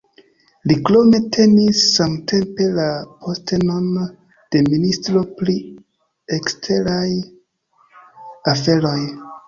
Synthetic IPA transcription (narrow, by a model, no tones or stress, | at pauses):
liklo̞me̞tʰe̞nisːamtʰe̞mpe̞lapʰoste̞no̞n | d̥e̞ministɾo̞pli | ekstʰeɾaj | afe̞ɾo̞j